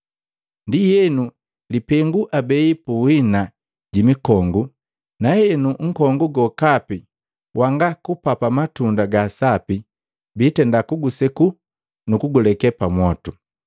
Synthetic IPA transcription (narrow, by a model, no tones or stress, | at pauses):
ndijɛnu | lipɛŋɡuʔabɛipuwina | ɟimikɔŋɡu | nahɛnuŋ̩kɔŋɡuɡɔkapi | wʔaŋɡakupapamatundaɡasapi | bitɛndakuɡusɛku | nukuɡulɛkɛpamwɔtu